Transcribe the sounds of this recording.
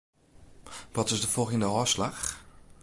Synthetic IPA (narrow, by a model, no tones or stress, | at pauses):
ʋɔtɪzdəfɔlˠχəndəɔːslax